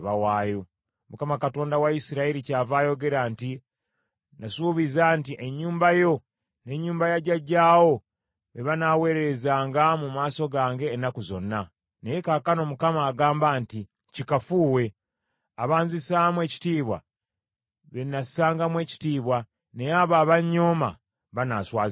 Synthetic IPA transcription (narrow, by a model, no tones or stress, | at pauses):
βawaːjo | mukamakato̞ːndawaisiɾaiɾicaːvaːjo̞ɡe̞ɾaːnti | nasuβizaːntiʔeɲːuːmbajo̞ | ne̞ɲːuːmbajaɟaɟaːwo̞ | βeβanaːwe̞ːɾezaːŋɡamumaːso̞ɡaːŋɡe̞ːnakuzo̞̰nːa | nejekakano̞mukamaːɡaːmbaːnti | cikafuːwe̞ | aβaːnzisaːmwe̞ːci̥tiːβwa̰ | βenasaːŋɡamwe̞ːci̥tiːβwa | ne̞jaːβaːβaɲːo̞ːma̰ | βanaːswaːz